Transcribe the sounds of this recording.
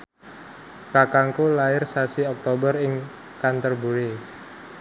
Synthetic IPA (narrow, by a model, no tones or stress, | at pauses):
kakaŋkulaɪrsasiɔk̚t̪obərɪŋ | kant̪ərbuɾe